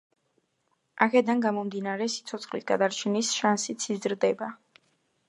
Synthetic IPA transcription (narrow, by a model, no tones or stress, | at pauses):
akʰɛd̪anɡamɔmd̪inaɾɛsi̥t̪sʰɔt̪sʰχlisɡad̪aɾt͡ʃʰɛnisʃansit̪sʰizɾd̪ɛba